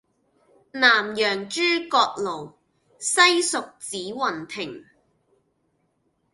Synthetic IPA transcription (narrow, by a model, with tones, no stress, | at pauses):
naː˨˩mjœː˨˩ŋt͡ʃyː˥kɔː˧k̚lo˨˩w | sɐ˥jsʊ˨k̚t͡siː˨˥wɐ˨˩nt̪ʰɪ˨˩ŋ